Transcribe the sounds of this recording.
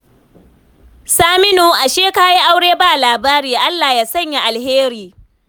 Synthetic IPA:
saː˦mɪ˦noː˨ʔa˨ʃeː˦kaː˦ji˦ʔa˦wɽeː˦baː˦˨laː˨baː˦ɾiː˨ʔa˦lːaː˨jaː˦sɐ˦˨ɲja˨ʔa˨lɦeː˦ɾiː˨

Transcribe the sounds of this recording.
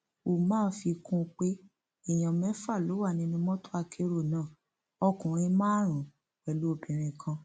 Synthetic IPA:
o˨mãː˦fi˧kũ˦k͡pe˦ | i˦˨j̃ã˨mɛ̃˨˦fa˦˨lo˨˦wa˦˨nĩ˧nĩ˧mɔ̃˦to̥˦a˧kʰe˧ɾo˦˨nãː˦˨ | ɔ˧kũ˨ɾ̃ĩ˧mãː˦ɾ̃ũ˨ | ɛ˨lu˦o˦˨bĩ˨ɾ̃ĩ˧kʰã˧

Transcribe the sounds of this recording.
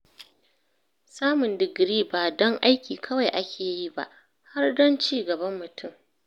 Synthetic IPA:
saː˦mʊ˨ndɪ˨ɡɾiː˦baː˨dɔ˦ŋʔa˦jkʲiː˨kʰɐ˦wa˨jʔa˦kʲeː˨ji˦ba̰˦ʔ | ha˦rdɔ˦nt͡ʃiː˦˨ɡɐ˨bɐ˦mːʊ˨tʰʊ˦m

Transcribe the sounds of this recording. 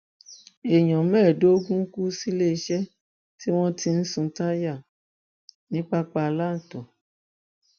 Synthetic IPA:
e˨j̃ɔ̃˨mɛ̃ː˦˨do˨˦o˦ɡũ˦ku˦si˦le˦i˧ʃɛ˦ | ti˦w̃ɔ̃˦ti˧n̩˦sũ˧ta˦ja˦˨ | nĩ˦k͡pa˦k͡pa˧la˦˨tɔ˨

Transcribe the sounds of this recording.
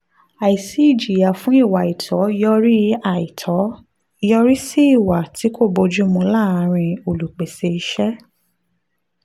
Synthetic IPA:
a˨i˨si˦˨d͡ʒi˨ja˨fũ˨˦i˦˨wa˨i˨tʰɔ˨˦jɔ˦ɾi˦a˨i˨tʰɔ˨˦ | jɔ˦ɾi˦si˦i˦˨wa˨ti˨˦kʰo˦˨bo˧d͡ʒu˦mũ˧la˦˨a˧ɾ̃ĩ˧o˨lu˨k͡pe˨se˧i˧ʃɛ˦

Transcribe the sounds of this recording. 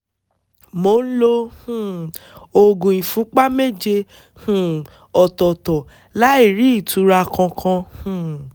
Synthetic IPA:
mo˨˦lo˧hũ˦˨o˧ɡũ˨ĩ˨fũ˨˦k͡pa˦me˦d͡ʒe˧ | hũ˨ | ɔ˨tɔ˨tɔ˨ | la˦i˦˨ɾi˨˦i˦˨tʰu˨˧ɾa˧kʰã˧kʰã˧hũ˦˨

